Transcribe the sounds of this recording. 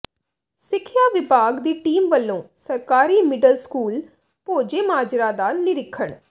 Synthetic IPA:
sɪkʰːjaːʋɪbʱaːɡd̪iːʈiːmʋəlːõːsəɾkaːɾiːmɪɖəlskuːl | poːd͡ʒeːmaːd͡ʒɾãːd̪aːnɪɾɪkʰːəɳ

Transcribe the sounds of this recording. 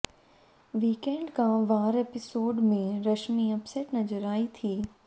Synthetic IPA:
ʋiːkẽːɳɖkãʋaːɾeːpɪsoːɖmẽɾɐʃmiɐpseːʈnɐzəɾaːit̪ʰiː

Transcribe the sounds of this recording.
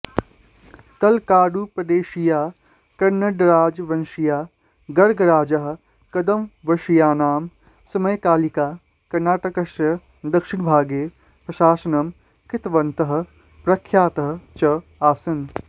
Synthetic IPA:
kɐlkaːɖuːpɾɐd̪eːʃijaː | kɐɾnɐɖɾaːd͡ʒʋɐnʃijaː | ɡɐɾɡɐɾaːd͡ʒɐɦ̆ | kɐd̪ɐmʋɐʃijaːnaːm | sɐmɐjkaːlikaː | kɐɾnaːʈɐkɐʃɾɐ | d̪ɐkʃɪɳ̃bʱaːɡeː | pɾɐʃaːsɐnɐm | kɪt̪ʋɐnt̪ɐɦɐ̆ | pɾɐkʰːjaːt̪ɐɦɐ̆t͡ʃɐaːsɐn

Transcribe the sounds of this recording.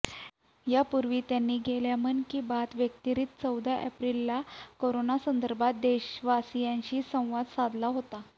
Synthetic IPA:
japuɾʋiːt̪janːiːɡʱeljamənkiːbat̪ʋjək̚t̪iɾiːt̪t͡səwd̪aʔɛpɾilːakoɾonasənd̪əɾbʱat̪̚d̪eɕʋasijãɲɕiːsə̃w̃ʋad̪sad̪ʱlaɦot̪a

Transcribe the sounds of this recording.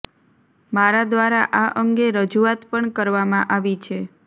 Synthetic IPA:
maɾad̪ʋaɾaʔaʔəŋɡeɾəd͡ʒuat̪pəɳkəɾʋamãʔaʋit͡ʃʰe

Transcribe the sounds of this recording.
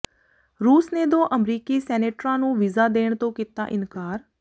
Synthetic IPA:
ɾuːsneːd̪õːʔəmɾiːkiːsɛːneːʈɾãːnũːʋɪzaːd̪eːɳt̪õːkiːt̪a̰ːʔɪnkaːɾ

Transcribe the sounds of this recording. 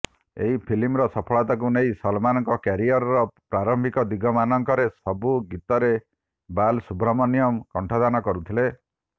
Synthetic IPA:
ḛɦipʰilimɾɔsɔpʰɔɭɔt̪ak̬unejsɔlmanɔŋkɔkaɾiɔɾɔɾɔpɾaɾɔmbʱikɔd̪iɡʱɔmanɔŋkɔɾesɔbuɡit̪ɔɾe | balsubɾɔmɔnijɔmkɔɳʈʰɔd̪anɔkɔɾut̪ʰile

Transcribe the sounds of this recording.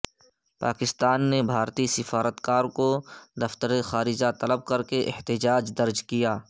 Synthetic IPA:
pa̰ːkɪst̪aːnːebʱaːɾt̪isɪfaːɾət̪kaːɾkod̪ɐft̪əɾexaːɾɪd͡ʒat̪ɐləb̚kɐɾkeʔɪht̪ɪd͡ʒaːd͡ʒd̪ɐɾd͡ʒkijaː

